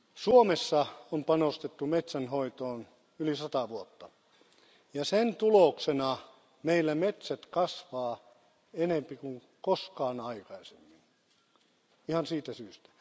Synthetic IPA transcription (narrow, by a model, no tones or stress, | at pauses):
suomesːɑompɑnost̪et̪ːumet̪sænhoit̪oːn | ylisɑt̪ɑʋuot̪ːɑ | jɑsent̪uloksenɑ | meilːæmet̪sæt̪kɑsʋɑː | enempikuŋ | koskɑːnɑikɑisemːin | ihɑnsiːt̪æsyːst̪æ̥